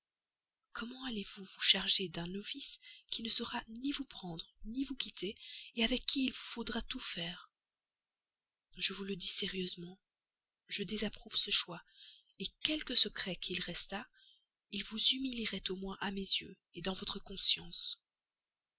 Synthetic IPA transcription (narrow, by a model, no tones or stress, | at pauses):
kɔmɑ̃alevuvuʃaʁʒed̪ɛ̃nɔfiskʲinəsəʁanivupχɑ̃d̪ʁnivukʲit̪ʰeeavɛkʲːiːlvufod̪ʁat̪ufɛːʁ | ʒəvuləd̪isɛʁjøzmɑ̃ | ʒəd̪ezapχuv̥səʃwaekʲɛlkəsəkχɛkʰilʁɛst̪a | ilvuzymiliʁɛt̪omwɛ̃ʔamezjø | ed̪ɑ̃vɔt̪χəkɔ̃sjɑ̃s